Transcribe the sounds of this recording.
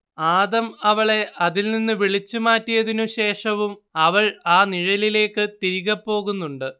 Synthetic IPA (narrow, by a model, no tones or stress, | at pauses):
aːðɐmɐʋɐɭe̞ʔɐðilninːɨʋiɭit͡ɕːumaːtːijɐðinuɕe̞ːʂɐʋumɐʋɐɭaːniɻɐlile̞ːkːɨt̪iɾiɣɐpːo̞ːɣunːuɳɖɨ